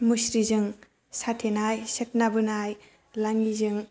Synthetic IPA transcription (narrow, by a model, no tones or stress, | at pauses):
musɾizɯŋ | satʰenajset̚nabɯnaj | laŋizɯŋ